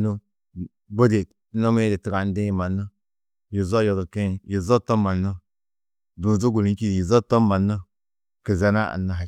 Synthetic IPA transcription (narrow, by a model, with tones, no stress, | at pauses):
nu˦ | bo˦de˨t | no˦me˦di˨ti˨ɡa˨n˦dẽ˦˨ma˨nːə˦ | ji˨zo˦jo˨du˨ke˦˨ji˨zo˦to˦ma˨nːə˦ | du˨zo˦ɡu˨li˦ki˦˨ji˨zo˦tɔ˦ma˨nːə˦ | kə˨za˨na˦ʔa̰˨nːa˦ɦa˨